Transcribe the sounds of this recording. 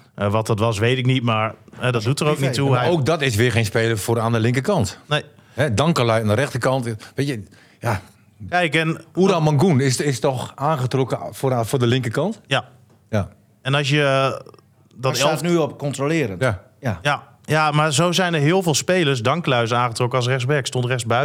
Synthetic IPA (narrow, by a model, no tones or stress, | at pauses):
ʋɔt̚ɔtʋɔs̬ʋeːtɪk̚nitmarɦɛdɔt̚dutərowk̚nitːuoːk̚dɔtɪs̬ʋɪχejnspeːləfʊːɾaːndəlɪŋkəkɑntnej | hɛdɑŋkəlœjandəɾɛxtəkɑntʋetə | ja | kɛjkɛnudamaŋɡunɪsɪstɔxaːnxətrɔkəffoːdəlɪŋkəkɑntja | ja | ɛnɑs̬jə | dɔtɛlanyɔpkɔntrolɪəɾənja | ja | jamarzowzɛjnəɹɦɪəlˠvɪːlˠspeːləɹs̬dɑŋklœɥsaːnχətrɔkəɑs̬rɛxsbɛkstontrɛsbœ